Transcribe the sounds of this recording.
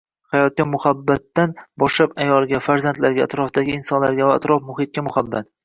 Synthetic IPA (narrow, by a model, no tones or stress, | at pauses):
hajɒt̪̚kʲamʊhabːat̪ːanbɒʃlapajɒlˠɡʲafaɾzant̪laɾɡʲaːt̪ɾɒfd̪aɡʲɪɪnsɒnlaɾɡʲavaːt̪ɾɒfmʊhɪt̪̚kʲamʊhabːat̪